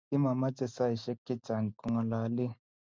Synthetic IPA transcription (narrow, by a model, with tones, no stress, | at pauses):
i˦ma˨ma˦t͡sʼɛ˨sa˦i˨ʃe˦ki̥˦ta˨ni˨kʼu˦ŋa˨la˨˦li˦